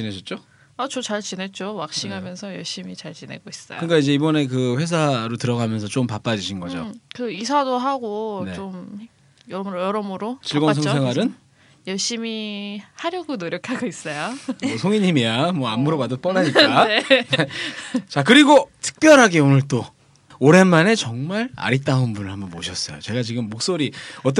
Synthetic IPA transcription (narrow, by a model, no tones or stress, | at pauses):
t͡ɕine̞d͡ʑʰʌt̚t͡ɕ͈o | at͡ɕot͡ɕaɭt͡ɕinet̚t͡ɕ͈owak̚ɕ͈iŋɦamjʌnsʰʌjʌɭɕ͈imit͡ɕaɭt͡ɕine̞̰ɡois͈ʌ̰j̰okɯnk͈aid͡ʑe̞ibʌne̞k̬ɯɸwe̞s̬ʰaɾotɯɾʌɡamjʌnsʰʌt͡ɕ͈ompap͈ad͡ʑiɕʰinɡʌd͡ʑo̰kɯisʰadoɦaɡonet͡ɕom | jʌɾmɾojʌɾʌmɯɾot͡ɕiɭɡʌs̬ʰʌŋssʰe̞ŋwaɾɯn | jʌɭɕ͈imihaɾjʌɡonoɾjʌkʰaɡois͈ʌjoʌsʰoŋiɲimijamwʌamuɾoɡadop͈ʌnaɲik͈anet͡ɕakɯɾiɡotʰɯ̥k̚p͈jʌɾɦaɡeonɯɭt͈o | oɾe̞nmane̞t͡ɕʌŋmaɾa̰ɾit͈aunbunɯɭhambʌnboɕʰʌs͈ʌjo̰t͡ɕe̞ɡat͡ɕiɡɯmːok̚s͈oɾiʌt̬͈ʌ